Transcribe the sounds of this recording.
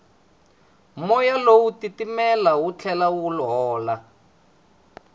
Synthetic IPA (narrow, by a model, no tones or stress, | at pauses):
mɔjalowutitimɛlawut͡ɬʰɛlawulɦɔːla